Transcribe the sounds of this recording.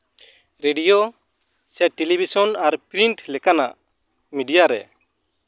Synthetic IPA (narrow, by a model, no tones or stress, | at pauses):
ɾeɖijo | sɛʈelibʱisɔnaɾpɾiɳʈlɛkana̰ʔ | miɖijaɾɛ̰